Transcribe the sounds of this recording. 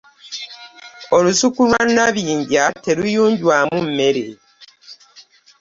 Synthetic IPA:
o̞lusukulwanːaβiːɲɟate̞lujuːɲɟwaːmum̩me̞ɾe

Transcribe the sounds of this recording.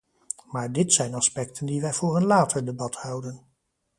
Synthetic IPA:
maːɹdɪtsɛjnɑspɛktʰəndiʋɛjvʊːɹənlaːtəɹdəbɑthʌwdən

